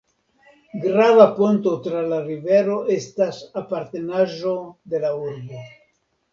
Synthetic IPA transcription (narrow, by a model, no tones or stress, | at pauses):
ɡɾavapont̪o̞t̪ɾalaɾive̞ɾo̞ʔe̞stasapaɾt̪e̞naʒo̞d̪e̞lauɾbo